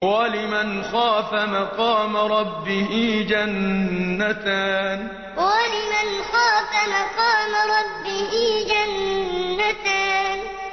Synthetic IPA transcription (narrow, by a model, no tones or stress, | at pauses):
walɪmanxaːfamaqɑːmaɾˤɑbːɪhiːd͡ʒanːat̪aːn | walɪmanxaːfamaqɑːmaɾˤɑbːɪhiːd͡ʒanːat̪aːn